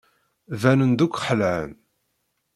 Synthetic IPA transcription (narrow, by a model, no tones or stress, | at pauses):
vænənd̪ukʷːħəlʕən